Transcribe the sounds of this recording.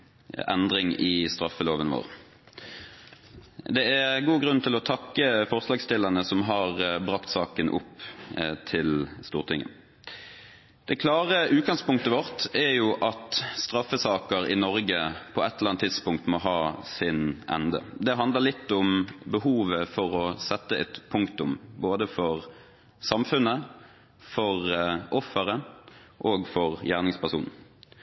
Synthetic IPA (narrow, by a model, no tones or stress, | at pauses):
ɛ̰nd̪ʁɪŋɪst̪ʁɑfːəloːʋənʋo̰ːʁ | d̪ɛæʁɡuːɡʁʉnt̪ʰɪlɔt̪ʰɑkːəfɔʁslɑːɡst̪ɪlːənəsɔmɦɑʁbʁɑkt̪sɑ̰ːkənʔʊ̰pt̪ʰɪlst̪uːʁt̪ʰɪŋːə̰n | d̪̥ɛɪkʰlɑːʁəʔʉːt̪̚ɡɑŋspʊŋkt̪əʋɔʁt̪æjʊʔɑt̪st̪ɾɑfəsɑːkəʁɪ̰nɔɾɡəpʰɔɛt̪ːələlɑnt̪ʰːɪd̪spʊŋk̚t̪mɔɦɑːsɪnʔɛ̰nd̪ə̰d̪ɛɦɑnd̪ləʁlɪt̪ːʊmbəhuːʋəfɔʁɔsɛt̪ːəɛt̪pʰʊŋkt̪ʊmboːd̪əfɔʁ | sɑmfʉnə | fɔʁʔɔfːəʁəʔoːɡfɔʁjæːʁnɪŋspæʁsṵːnn̩